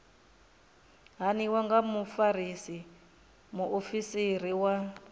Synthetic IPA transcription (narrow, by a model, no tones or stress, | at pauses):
ɦaniwaŋɡamufaɾisi | muʔofisir̤iwa